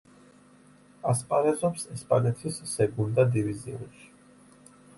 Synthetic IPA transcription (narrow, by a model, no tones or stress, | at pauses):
aspʼaɾɛzɔpsɛspʼanɛt̪ʰisːɛɡund̪ad̪iviziṵ̃nʃi̥